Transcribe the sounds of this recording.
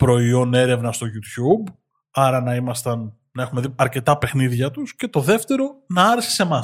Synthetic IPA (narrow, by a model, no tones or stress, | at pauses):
pɾo̞io̞ne̞ɾe̞vnɐst̪o̞ʝut̪çub | ɐɾɐnɐimɐst̪ɐn | nɐe̞xumeðiɐɾce̞t̪ɐpe̞xniðʝɐt̪usce̞t̪o̞ðe̞ft̪e̞ɾo̞nɐɐɾese̥se̞mɐ